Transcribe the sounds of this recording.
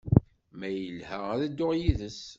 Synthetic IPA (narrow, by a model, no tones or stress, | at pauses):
mæjəlhæʁæðæd̪ːʊʁjiðəs